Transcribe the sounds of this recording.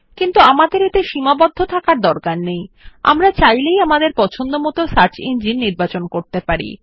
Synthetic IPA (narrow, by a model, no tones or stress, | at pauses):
kint̪uamad̪eɾet̪eʃimabɔd̪ʱːot̪ʰakaɾd̪ɔɾkanːeja̰mɾat͡ɕajlejamad̪eɾpɔt͡ɕʰond̪omɔt̪osaɾt͡ɕind͡ʑinniɾbat͡ɕonkoɾt̪epaɾḭ